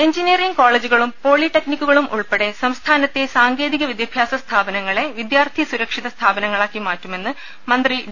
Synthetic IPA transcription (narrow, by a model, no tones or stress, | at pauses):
eɲd͡ʑinijɐriŋɡkoːɭeːd͡ʑuɣɐɭumpo̞ːɭiʈːeknikʲːuɣɐɭumʔṵɭpeɽe̞sɐmst̪ʰaːnɐt̪ːe̞saːŋɡe̞ːðiɣɐʋid̪jɐbʱjaːsɐst̪ʰaːbɐnɐŋːɐɭe̞ʋid̪jaːrt̪ʰijɐsuɾɐkʂiðɐst̪ʰaːbɐnɐŋːɐɭaːkːimaːtːume̞nːɨ | mɐnd̪ri